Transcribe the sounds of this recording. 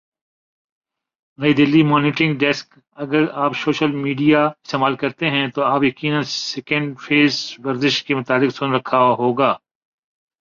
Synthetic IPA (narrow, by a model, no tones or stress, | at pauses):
nɐid̪ɪlːimɔːnɪʈɾɪ̃ŋɡɖɛsk | ɐɡəɾaːpsoːʃəlmiːɖijaɪst̪eːmaːlkɐɾt̪eɦɛ̃t̪oaːpjɐkiːnə̃nsɛːkə̃ɳɖfʰeːzʋɐɾzɪʃkemʊt̪aːlɪksʊnɾɐkʰːaɦoːɡaː